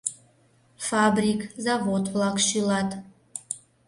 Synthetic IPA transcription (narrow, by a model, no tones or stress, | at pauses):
fabrikʰzavotʷlakʷʃilatʰʼ